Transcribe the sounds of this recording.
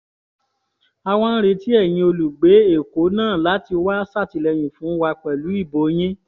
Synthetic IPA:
a˧w̃ɔ̃˧n̩˦ɾe˧ti˦ɛ˦˨j̃ĩ˧o˧lu˨ɡ͡be˨˦e˦˨ko˨˦nãː˦˨la˨˦ti˧wa˦sa˦˨ti˧lɛ˧j̃ũ˨fũ˨˦wa˧k͡pɛ˨lu˨˦i˦˨bo˨˦j̃ĩ˦

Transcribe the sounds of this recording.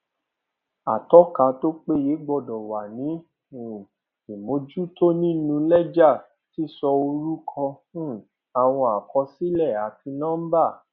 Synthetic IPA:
a˨tɔ˨˦ka˧˦to˦k͡pe˦je˨˦ɡ͡bɔ˧˨dɔ˨wa˨nĩ˨˦˨ | i˨mõ˨˦d͡ʒu˦to˦nĩ˦nũ˧lɛ˦d͡ʒa˦˨ | ti˦sɔ˧o˧ɾu˦kʰɔ̃˧˦˨ | a˨w̃ɔ̃˧a˨kɔ˧si˦lɛ˦˨a˨ti˧nã˦m̩˦ba˦˨

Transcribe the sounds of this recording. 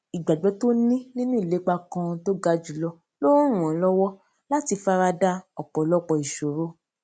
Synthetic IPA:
i˨ɡ͡ba˨ɡ͡bɛ˨˦to˦nĩ˦nĩ˦nũ˦i˦˨le˨˦k͡pa˧kã˧to˦ɡa˧d͡ʒu˨˦lɔ˧ | lõ˦ɾ̃ũ˨ɔ̃˨˦lɔ˦wɔ˦ | la˦ti˧fa˧ɾa˧da˦ɔ˨k͡pɔ˨lɔ˦˨k͡pɔ˧˨i˨ʃo˨ɾo˦

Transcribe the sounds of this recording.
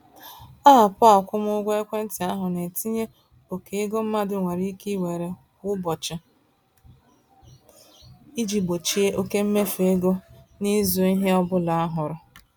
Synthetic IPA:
a˦a˨pʊ˦a˨kʷʊ˦mʊ˦ɡʷe˦kʷe˦n̩˦tɪ˨a˦ɦʊ˨ne˨ti˦ɲe˦ | o˨ke˨e˦ɡo˦m̩˦ma˦dʊ˦ŋʷe˨ɾi˦ki˦we˨ɾe˨kʊ˦bɔ˨t͡ʃɪ˦ | i˦d͡ʒi˨bo˨t͡ʃi˦e˦ʔo˦ke˦m̩˦me˦fe˦ɡo˦ni˦zu˨˦i˦ɦe˦ɔ˦bʊ˦la˨a˦ɦʊ˨ɾʊ˨

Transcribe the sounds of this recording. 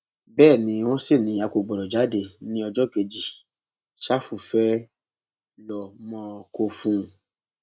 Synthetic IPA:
bɛː˦˨nĩ˧˦w̃ɔ̃˦si˦˨nĩ˨˧˦a˨˧ko˨ɡ͡bɔ˨ɾɔ˨d͡ʒa˨˦de˦˨nĩ˦ɔ˧d͡ʒɔ˦ke˧d͡ʒi˨ | ʃa˦fu˨fɛ˦ | lɔ˨mɔ̃˧˦˧ko˧fũ˦˧˨

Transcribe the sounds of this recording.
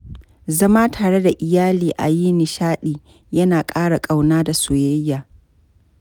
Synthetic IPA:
zɐ˦maː˦tʰaː˨ɽe˦da˨ʔɪ˨jaː˦liː˨ʔa̰˨jiː˦nɪ˨ʃaː˦ɗiː˨ | jɐ˦naː˨kʼaː˦ɽa˨kʼa˨wnaː˦da˨soː˨jɐ˦jːaː˨

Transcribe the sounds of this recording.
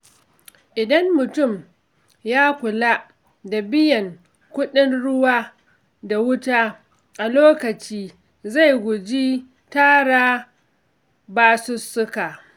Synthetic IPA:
ʔɪ˨dɐ˦mːʊ˨tʊ˦˨m | jaː˦kʷʊ˨la˦ʔ | da˨bɪ˦jɐ˨ŋ | kʷʊ˦ɗɪ˦nɽʊ˦waː˦ | da˨wʊ˦taː˦ | ʔa˨loː˦kɐ˨t͡ʃiː˦ | za˦˨jɡʷʊ˨d͡ʒiː˦ | taː˦ɽaː˦ | baː˨sʊ˦sːʊ˦ka˨ʔ

